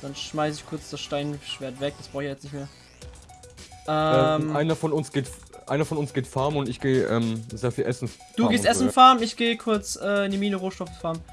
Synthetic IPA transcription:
d̥anʃmaɪsəɪçkʰʊɐt͡sd̥asʃtaɪnʃv̥eːɐtv̥ɛk̚d̥asb̥ʁaʊçjaːjɛt͡snɪçtmeːɐ | ʔɛːɛmaɪnɐfɔnʊnsɡ̥eːt | ʔa̰ɪnɐfɔnʊnsɡ̥eːtfaɐmʊntɪçɡ̥eːʔɛ̰ːmzeːɐfiːlʔɛsn̩ | d̥uːɡeːssʔɛssn̩faɐmɪçɡ̥eːəkʰʊɐt͡sʔɛːɪndimiːnəʁoːʃtɔffaːɐm

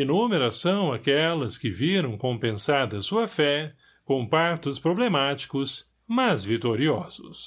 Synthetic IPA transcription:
enũmeɾɐsɐ̃w̃akɛlɐskɪviɾɐ̃w̃kõpẽsaɾd̪ɐsuɐfɛ | kõpaɾt̪ʊspɾoblemat͡ʃi̥kʊs | mazvit̪oɾiɔzʊ̰s

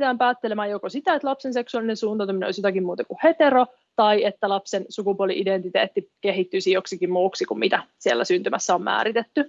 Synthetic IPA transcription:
t̪æːmpæːt̪ːelemæːjokosit̪æet̪lɑpsense̞ksuɑlinesuːnt̪ɑt̪ɑmino̰lsot̪ækimmuːt̪ɑkuhe̞t̪eɾo | t̪ɑiet̪ːælɑpsensukupuolḭʔident̪it̪eːt̪ːike̞ɦit̪ːyːsijoksikimmuːksikummit̪æsielːæ̰synt̪ymæsːæommæ̰ːɾit̪et̪ːy

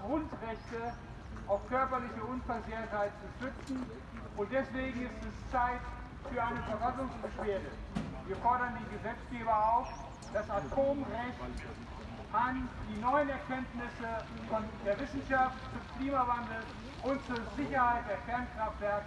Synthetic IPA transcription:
ɡ̥ʁʊntʁɛçtə | ʔaʊfkʰœɐpɐlɪçəʊnfɛɐzeçɐthaɪtt͡suʃʏt͡sn̩ | ʔʊnt̚d̥ɛsv̥eːɡŋ̩ɪstɛst͡saɪt | fyːɐʔaɪnəfɛɐvasʊŋsb̥əʃv̥eːɐdəviːɐfɔɐɾɐndiːnɡəzɛt͡sɡ̥eːbɐaʊf | d̥asatʰoːmʁɛçt | ʔand̥iːnɔʏənɛɐkʰɛntnɪsə | fɔndeːɐvɪsn̩ʃaftfʊmkliːmavandl̩ | ʔʊntt͡suɐzɪçɐhaɪt̚d̥eːɐkɛɐnkʁ̥aftv̥ɛɐk

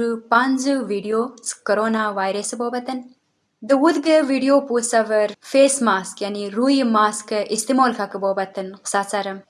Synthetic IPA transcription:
ɾupanzɨʋiːɖijoːskɐɾoːnaːʋaːjɾɐsboːbɐt̪ɐn | d̪ɨud̪ɡɨʋiɖijoːpusɐʋɐɾfeːsmaːskjaniɾuːjmaːskɨʔist̪imoːlkʰɐkɨboːbɐt̪ɨnsat͡saɾɐm

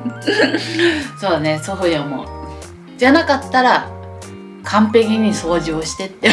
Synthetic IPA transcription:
so̞ːne̞soɦojamo̰ | d͡ʑanakat̪ːaɾa | kʰãmpe̞kʲiɲ̟iso̞ːʑoːɕi̥t̪e̞t̪ːe

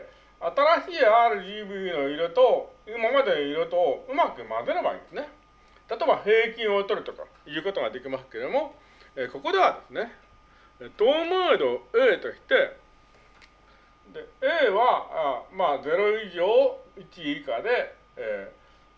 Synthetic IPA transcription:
at̪aɾaɕiːaːɾɯ̟d̪ʲiːbɯ̟no̞iɾot̪o̞imamad̪e̞noiɾot̪o̞ɯ̟makɯ̟mazeɾɯba̰ḭ̃ːnd̪sɨne̞ | t̪at̪o̞ebahe̞ːkʲĩɰ̃o̞t̪o̞ɾɯ̟t̪o̞ka̰ | jɯ̟ːko̞t̪o̞ɡad̪e̞kʲimasɨ̥ke̞d̪o̞mo̞ | eːko̞ko̞d̪e̞βad̪e̞sɨne̞ | et̪oːmɯːd̪o̞eːt̪o̞ɕʲi̥t̪e̞ | d̪eeːβamaːze̞ɾo̞iʑo̞ːit͡ɕikad̪e̞ | eː

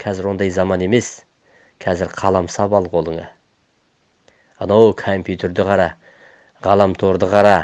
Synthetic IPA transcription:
kʰɑzɪɾwo̞nd̪ɑjzɑmɑne̞me̞s | kʰɑzɪɾqʰɑlˠɑmsɑpɑlˠqʰo̞lˠəɴɑ̰ | ənowkʰompjut̪ʰe̞ɾd̪ɪqʰɑɾɑ | ʁɑlˠɑmt̪ʰo̞ɾd̪əqʰɑɾɑ

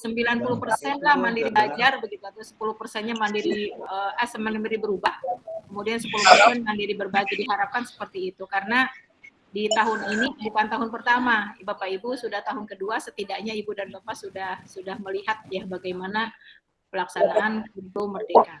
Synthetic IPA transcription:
səmbilanpulʊhpərsɛnlahmandiɾiblad͡ʒarbəɡit̪uat̪usə̥pulʊhpərsɛnɲamandiɾiəʔəsəmilmbiɾibəɾubahkəmudiansəpuluhpərsɛnmandiɾibərbaɡidiɦaɾap̚kansə̥pərt̪iːt̪ukaɾəna | dit̪aɦʊninikidupant̪aɦʊnpərt̪amabapaibusudaht̪aɦʊnkəduasət̪idaʔɲaibudanbapasudahsudahməliɦat̪̚jahbaɡajmana | pəlaksanaanudomərdeka

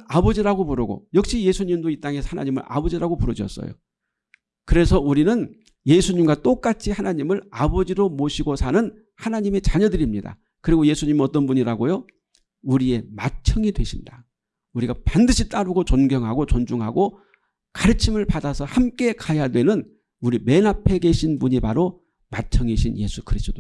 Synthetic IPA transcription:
abʌd͡ʑiɾaɡopuɾɯɡo̰jʌk̚ɕ͈ije̞sʰuɲimdoit͈aŋe̞sʰʌ̥hana̰ɲimɯ̰ɾʔa̰bʌd͡ʑiɾaɡopuɾɯɕʰʌ̰s͈ʌ̰jo̰ | kɯɾe̞sʰʌuɾinɯn | je̞sʰuɲimɡwat͈ok͈at͡ɕʰihanaɲimɯɾabʌd͡ʑiɾomoɕʰiɡosʰanɯn | hanaɲime̞t͡ɕaɲʌdɯɾimɲida̰ | kɯɾiɡoje̞sʰuɲimʌt͈ʌnbuɲiɾaɡojo | uɾie̞mat͡ɕʰʌŋidwe̞ɕʰinda | uɾiɡapandɯɕʰit͈aɾɯɡot͡ɕʌnɡjʌŋɦaɡot͡ɕʌnd͡ʑuŋɦa̰ɡo | kaɾɯt͡ɕʰimɯɭpadasʰʌhamk͈e̞kʰaeɦadwe̞nɯn | uɾime̞napʰe̞ɡe̞ɕʰinpuɲipaɾo | mat͡ɕʰʌŋiɕʰinje̞sʰu̥kʰɯɾist͈ʰodo

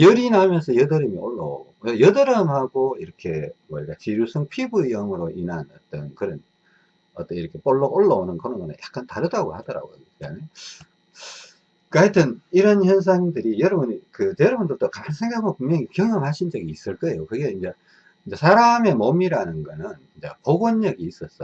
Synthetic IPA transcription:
jʌɾinamjʌnsʰʌjʌdʌɾɯmioɭːo̰o̰ɡoejʌdɯɾʌmhaɡoiɾʌkʰe̞mʌɾiɡat͡ɕiɾusʰɯŋpʰibuijʌmɯɾoʔinanʌt͈ʌnkɯɾʌn | ʌt͈ʌniɾʌkʰe̞p͈oɭːoɡoɭːʌonɯnkɯɾʌnɡʌnɯ̰njak͈antaɾɯdaɡohadʌɾa̰ɡo | ame | kɯajetʰɯniɾʌnçjʌns̬ʰaŋindɯɾijʌɾʌbunikɯtʌɾʌbundot͈okamansʰeŋɡaamopuŋmjʌŋikjʌŋʌnhaɕʰind͡ʑʌɡiːs͈ɯɭk͈ʌe̞jokɯɡe̞ind͡ʑe | ind͡ʑesʰaɾame̞momiɾanɯnɡʌnɯnind͡ʑḛpoɡonːʌɡiːs͈ʌs͈ʌ

